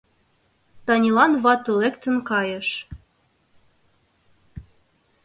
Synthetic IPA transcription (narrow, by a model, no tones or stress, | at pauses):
t̪ɑnʲilɑnβɑt̪ə̆lekt̪ə̆nkɑjə̆ʃ